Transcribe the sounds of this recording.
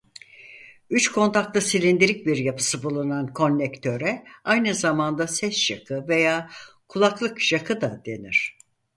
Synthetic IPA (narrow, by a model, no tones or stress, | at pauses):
yt͡ʃkʰo̞nt̪ʰak̚lˠɯsilʲind̪iɾic̚biɾjapʰɯ̥sɯbulˠunankʰo̞nʲlʲɛkt̪ʰø̞ɾɛajnɯzamand̪asɛsjakʰɯve̞jaːkʰulˠaklˠɯkjakʰɯd̪ad̪̥e̞niɾ̝̥